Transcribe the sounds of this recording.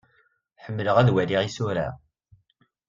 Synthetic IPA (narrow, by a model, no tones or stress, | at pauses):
ħəmːləʁæðwæliʁisʊɾa̰